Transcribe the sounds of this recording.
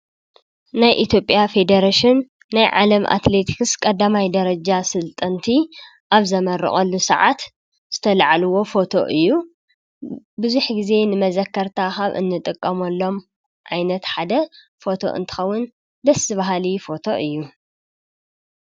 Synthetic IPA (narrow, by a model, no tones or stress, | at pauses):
najʔit̪ʰjo̞pʼjafe̞d̪ɐɾaʃɪnː | ajʕa̰lɐmʔa̰t̪le̞t̪ʰi̥kskʼɐd̪ːamajd̪ɐɾɐd͡ʒasɨlt̪ʼɐnt̪ʰi | ʔaβzɐmɐrːɨ̰χʼɐlːusɐ̰ʕa̰t̪ | z̥ɨt̪ʰɐlʕaluwo̞fo̞t̪ʰo̞̰ʔɨjːu | bɨzuħɡize̞nɨmɐzɐkʰːɐɾt̪ʰaxaβʔɨ̰nːɨt̪ʼɨkʼːɐmɐlːo̞m | ʕajnɐt̪ħad̪ɐ | fo̞t̪ʰo̞̰ʔɨ̰nt̪ʰɨ̥xɐwːʊn | d̪ɐsɨβaɦalifo̞t̪ʰo̞̰ʔɨjːu